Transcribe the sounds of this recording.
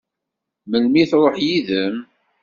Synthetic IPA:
məlmiθɾˤoħjiðəm

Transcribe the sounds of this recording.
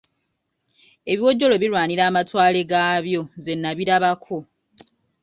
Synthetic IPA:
e̞βiwo̞ɟːo̞lo̞βilwaːniɾaːmatwaːle̞ɡaːβjo̞ze̞nːaβiɾaβakʰo̞

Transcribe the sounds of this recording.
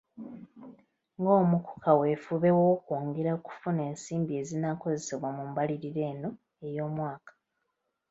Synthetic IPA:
ŋɡo̞ːmuku̥kʰawe̞fuβe̞woːkuːŋɡeɾaku̥fune̞ːnsiːmbie̞ːzinako̞ze̞se̞βwamumbaliɾiɾe̞ːno̞ | e̞jo̞ːmwaːkḁ

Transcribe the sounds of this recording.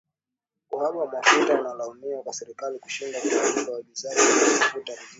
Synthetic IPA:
kuhamawamafutanalaɔniakwasɛɾikaliku̥ʃindatɔaulawaɓizaʄiamamafuta

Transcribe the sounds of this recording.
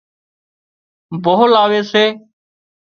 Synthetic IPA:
boɦlaːʋeːseː

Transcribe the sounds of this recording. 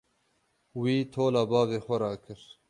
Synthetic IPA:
wiːt̪ʰoːlaːbaːveːxʷɐɾaːkʰɨɾ

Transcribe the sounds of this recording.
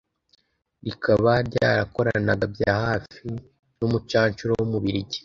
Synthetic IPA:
ɾikʰaβaɾɟa̰ːɾako̞ɾanaɡabjaːhaːfi | numut͡ʃaːɲt͡ʃuɾowumuβiɾiɟi̥

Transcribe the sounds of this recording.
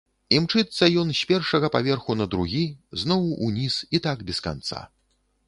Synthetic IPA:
imt͡ʂɨt̪sːɐjɔnsʲpʲɛrʂɐɣɐpavʲɛrxunɐd̪ɾuɣʲiznɔwunʲisit̪aɡbʲɛska̰nt̪sa̰

